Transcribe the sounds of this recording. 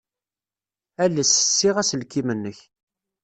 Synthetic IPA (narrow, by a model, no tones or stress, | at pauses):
ælːəsə̥sːiʁæsəlkːimənːəç